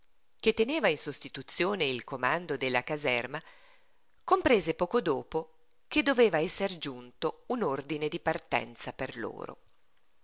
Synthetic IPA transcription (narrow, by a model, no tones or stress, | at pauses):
k̟et̪ːeneːvainsost̪it̪ut̪sːjoːneilkomand̪od̪elːakazɛrma | kompɾeːzepɔːkod̪oːpo | k̟ed̪ːoveːvaɛsːerd͡ʒunt̪ounord̪ined̪ipart̪ɛ̰nt̪saperlo̰ːɾo̰